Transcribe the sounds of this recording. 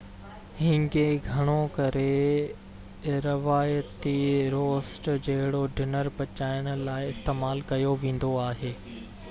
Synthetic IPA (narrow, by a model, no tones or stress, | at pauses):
ɦɪ̃ŋɡeɡʱɐɽ̃okɐɾe | ɾɐʋaːjət̪iɾoːsʈd͡ʑɐɦɪɽoɖɪnəɾpɐt͡ɕaːɪɽ̃ʊ̆laːɪɪst̪eːmaːlkɐjoʋẽːn̆d̪oaːɦeː